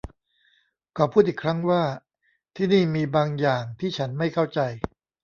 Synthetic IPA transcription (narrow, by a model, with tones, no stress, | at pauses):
kɔː˨˩pʰuː˥˩t̪̚ʔiː˨˩kʰɾa˦˥ŋwaː˥˩ | t̪ʰiː˥˩niː˥˩miː˧baː˧ŋjaː˨˩ŋt̪ʰiː˥˩t͡ɕʰa˦˥nma˥˩jkʰa˥˩wt͡ɕa˧j